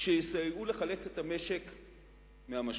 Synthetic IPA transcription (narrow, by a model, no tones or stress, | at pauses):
ʃejisajule̞χale̞t͡set̪ame̞ʃek | meamaʃ